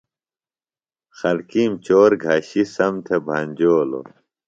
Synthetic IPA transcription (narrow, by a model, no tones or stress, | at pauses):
xɐlkiːmt͡ɕoːɾɡʱaːɕisɐmt̪ʰebʱɐnʲd͡ʑoːlo̰